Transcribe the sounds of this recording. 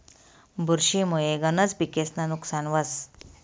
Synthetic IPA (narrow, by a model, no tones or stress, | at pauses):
bʱuɾɕimojeɡənət͡sbikesnanuksanʋəs